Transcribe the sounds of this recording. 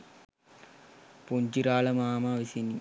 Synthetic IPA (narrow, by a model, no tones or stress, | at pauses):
puɲd͡ʒiɾaːlɐmaːmaːʋisini